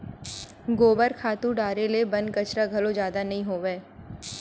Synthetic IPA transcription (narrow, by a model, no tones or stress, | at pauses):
ɡoːbəɾkʰaːt̪ũɖaːɾelebɐ̃n̚kɐt͡ʃɾaɡʱɐlod͡ʒjaːd̪anɐɦĩɦoːʋeː